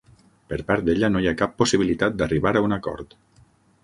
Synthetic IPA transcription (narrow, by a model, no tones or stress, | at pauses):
pəɾpaɾt̪̚d̪eʎanojakapːusiβilit̪at̪̚d̪ariβaɾaunakɔ̰ɾt̪